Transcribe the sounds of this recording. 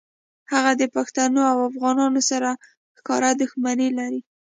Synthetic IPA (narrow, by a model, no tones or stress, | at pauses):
haɣad̪əpaxt̪anoawafɣɑnɑnosaɾa | xkɑɾad̪ʊxmanilaɾi